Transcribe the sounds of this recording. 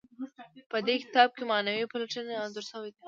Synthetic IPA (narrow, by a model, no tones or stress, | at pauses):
pəd̪ekɪ̥t̪ɑb̚kemɑnɐwipɐlɐʈɐneɑnzʊɾsɐwed̪i